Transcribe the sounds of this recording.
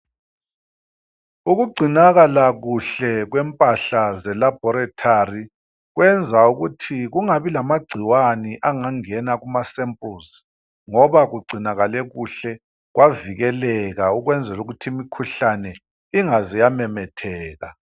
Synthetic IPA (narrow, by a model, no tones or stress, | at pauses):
uɣuɡ͡ǀʱinaɣalaɣuɬɛɣwɛmpʼaɬazɛlab̥ʱɔɾatʰari | ɣwɛnd͡zʱauɣutʰiɣuŋaβilamaɡ͡ǀʱiwaniʔaŋaŋɛnaɣumasɛmpʼus | ŋɔβaɣuɡ͡ǀʱinaɣalɛɣuɬɛ | ɣwaviɣɛlɛɣauɣwɛnd͡zʱɛluɣutʰiimikʰuɬanɛ | iŋazijamɛmɛtʰɛːɣa̰